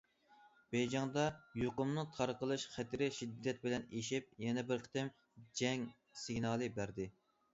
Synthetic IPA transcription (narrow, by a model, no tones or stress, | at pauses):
b̥ɛjd͡ʒɑŋd̪ɑjoqʊmnɨŋt̪ʰɑɾqəlˠɨʃχæt̪ɪɾɪʃid̪ːɛt̪̚bɪlɛneʃip̚jɛnɛbɪɾqʰə̥t̪ɪm | d͡ʒɛŋ | sɪŋnɑːlˠɨbæɾd̪ɪ